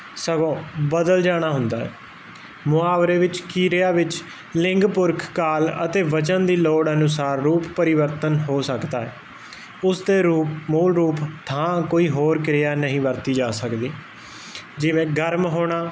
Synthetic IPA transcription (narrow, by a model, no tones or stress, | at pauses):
səɡõːbəd̪əld͡ʒaːɽ̃aːɦʊnd̪aːɦɛ̰ː | mʊaːʋɾeːʋɪt͡ʃkiːɾɪjaːʋɪt͡ʃ | lɪŋɡpʊɾkʰkaːlə̰t̪eːʋət͡ʃənd̪iːloːɽənʊsaːɾːuːppəɾɪʋəɾt̪ənɦoːsəkd̪aːɛː | ʊsd̪eːɾuːpmuːlɾuːpt̪ʰãːkoːiːɦoːɾkɾɪjaːnəɦĩːʋəɾt̪iːd͡ʒaːsəkd̪iː | d͡ʒɪʋẽːɡəɾmɦoːɽ̃aː